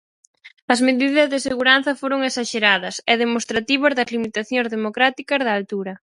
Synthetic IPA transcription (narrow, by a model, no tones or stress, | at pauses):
ɐzmeðiðɐzðeseɣuɾanθɐfoɾoŋesaʃeɾaðɐsɛð̞emost̪ɾat̪iβɐzðɐzlimit̪aθjoŋzðemokɾat̪ikɐzðaːlt̪uɾɐ